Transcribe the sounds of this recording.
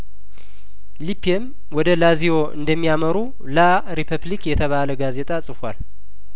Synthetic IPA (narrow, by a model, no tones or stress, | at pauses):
lipʰiem | wɔd̪əlazijo̞ʔɨ̰nd̪əmːijaməɾu | la | ɾipʰəβlikjɛt̪ʰəβaləɡaze̞t̪ʼasʼɨfal